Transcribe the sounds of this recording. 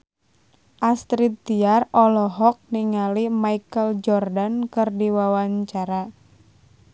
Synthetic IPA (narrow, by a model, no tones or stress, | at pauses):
ʔast̪ɾit̪ːiarɔlɔɦɔk̚niŋalimaikəld͡ʒɔrdankɨrdiwawaɲt͡ʃaɾa